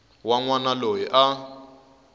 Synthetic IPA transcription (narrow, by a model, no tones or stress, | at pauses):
waŋwanalojiʔa